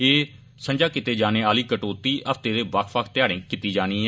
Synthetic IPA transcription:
eː | sə̃ɲd͡ʒaːkɪt̪eːd͡ʒaːneːaːliːkəʈoːt̪iːʔəpʰt̪eːd̪eːʋəkʰʋəkʰt̪ɪjaːɽẽːkɪt̪ːiːd͡ʒaːñiːɛ

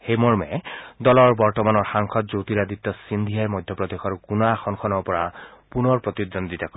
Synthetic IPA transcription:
xejmɔɹmɛd̪ɔlɔɹbɔɹtɔmanɔɹxaŋkʰɔt̪̚zowt̪iɾad̪it̪ːɔsind̪ʱijajmɔjd̪ʱjɔpɹɔd̪exɔɹkunaxʰɔnkʰɔnɔpɔɹapunɔɹpɹɔt̪id̪ɔnd̪it̪akɔ

